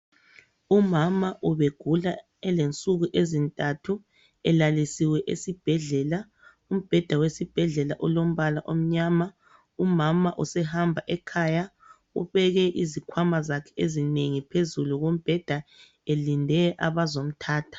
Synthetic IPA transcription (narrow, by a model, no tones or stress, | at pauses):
umamaʔuβeɡ̥ʱula | ɛlent͡sʼuɣuʔezintʼatʰu | ɛlalisiwɛʔḛsib̥ʱɛɮɛla | um̩b̥ʱɛd̥ʱawesib̥ʱɛɮɛla̰ʔɔlom̩βalaʔom̩ɲaːma | umamaʔusɛɦambʱaʔɛkʰaːja | ṵβɛɣɛʔizikʰwamazakʰɛ̥ezineŋipʰezuluɣom̩b̥ʱɛd̥ʱa | elindʱɛʔa̰βazom̩tʰaːtʰḁ